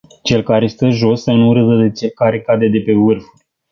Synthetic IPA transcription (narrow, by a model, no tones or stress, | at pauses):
t͡ʃe̞lkaɾe̞st̪əʒo̞sːənuɾɨzəd̪e̞t͡ʃe̞lkaɾekad̪e̞d̪e̞pe̞vɨrfurʲ